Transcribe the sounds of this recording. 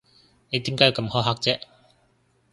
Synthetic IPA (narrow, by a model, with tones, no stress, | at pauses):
ne˨˧jt̪i˨˦˥mkaː˦˥ji˨˧wkɐ˧mhɔː˨˥ɦaː˥k̚t͡sɛː˥